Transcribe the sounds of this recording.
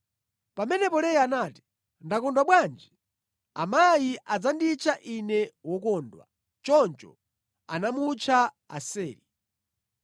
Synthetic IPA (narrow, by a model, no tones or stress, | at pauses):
pamɛnɛpɔlɛjanaːti̥ | ndakɔndwaɓwand͡ʒi | amajiʔad͡zandit͡ʃʰaʔinɛwɔk̬ɔːndwa̰ | t͡ʃɔnt͡ʃɔ̰ | a̰namut͡ʃʰa | a̰sɛːli